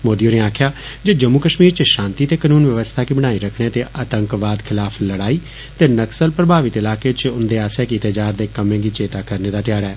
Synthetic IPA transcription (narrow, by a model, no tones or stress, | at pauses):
moːd̪ijoːneːaːkʰɪjaːd͡ʒeːd͡ʒəmːuːkəʃmiːɾt͡ʃəʃãːnt̪iːt̪eːkənuːnʋjəʋəst̪ʰaːkiːbəɽ̃aːiːɾəkʰɳeːt̪eːʔət̪əŋkʋaːd̪kʰɪlaːpʰləɽaːiː | t̪eːnəksəlpɾəbʱaːʋɪt̪ɪlaːkeːt͡ʃʊnd̪eːaːsaːkit̪eːd͡ʒaːɾd̪eːkəmẽːɡiːt͡ʃeːt̪aːkəɾneːd̪aːt̪jaːɽɛː